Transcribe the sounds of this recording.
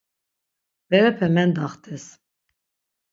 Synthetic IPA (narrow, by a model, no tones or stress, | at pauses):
vɛɾɛpʰɛmɛnd̪aχt̪ʰʼɛs